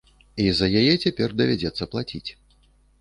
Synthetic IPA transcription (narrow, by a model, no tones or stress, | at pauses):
izɐjajɛt͡sʲapʲɛrd̪ɐvʲad͡zʲɛt̪sːɐplˠat͡sʲit͡sʲ